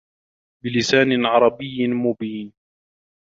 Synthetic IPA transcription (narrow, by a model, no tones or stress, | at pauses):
bɪlɪsaːnɪʕɑɾˤɑbɪjːmʊbiːn